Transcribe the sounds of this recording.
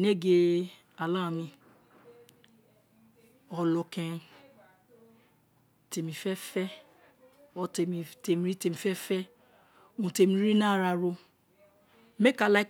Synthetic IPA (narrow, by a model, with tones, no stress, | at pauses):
ne˦ɡe˧ | a˧lã˦˨mĩ˧ | ɔ˧lɔ˧kɛ̃˧ | te˧mĩ˧fɛ˦fɛ˦ | ɔ˧te˧mi˧te˧mĩ˧˦ɾi˦te˧mĩ˧˦fɛ˦fɛ˦ | o˧˨ũ˧te˧mĩ˧˦ɾi˦nã˦˨ɾa˧ɾo˧ | me˦ka˧la˧˦